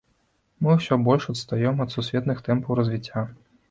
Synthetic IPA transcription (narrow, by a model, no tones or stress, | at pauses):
mɨwsʲɔbɔlʲʂɔt̪st̪ajɛmɐt̪susʲʋʲɛt̪nɨxt̪ɛmpɐwɾɐzʲvʲit͡sʲːa